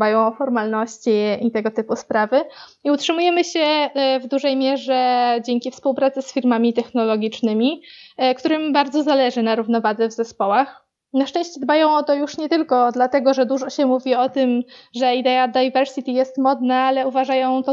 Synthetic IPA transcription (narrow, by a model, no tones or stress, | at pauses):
bajɔ̃w̃ɔfɔɾmalnɔɕt͡ɕiit̪ɛɡɔt̪ɘpuspɾavɘ | iutʂɘmujɛmɘɕɛvd̪uʐɛjmʲjɛʐɛd͡ʑeŋkʲifspuwpɾat̪sɘsfʲiɾmamʲit̪ɛxnɔlɔɡʲit͡ʂnɘmʲikt̪uɾɘmbaɾd̪zɔzalɛʐɘnaɾuvnɔvad̪ɛvzɛspɔwax | naʂt͡ʂɛ̃ɕt͡ɕɛd̪bajɔ̃w̃ɔt̪ɔjuʂɲɛt̪ɘlkɔd̪lat̪ɛɡɔʐɛd̪uʐɔɕɛmuvʲiɔt̪ɘmʐɛid̪ɛad̪ajvɛɾsit̪ʲijɛst̪mɔd̪naalɛuvaʐajɔ̃w̃t̪ɔ